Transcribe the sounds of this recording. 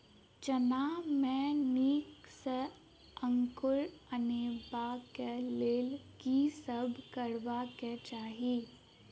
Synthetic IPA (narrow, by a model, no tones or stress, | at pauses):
t͡ʃənaːmɛ̃niːkse | ə̃ŋkʊɾəneːbakeleːlkisəbʱkəɾʋaket͡ʃaːɦiː